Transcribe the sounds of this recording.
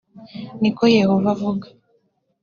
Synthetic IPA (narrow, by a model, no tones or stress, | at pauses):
nikojehovavuɡḁ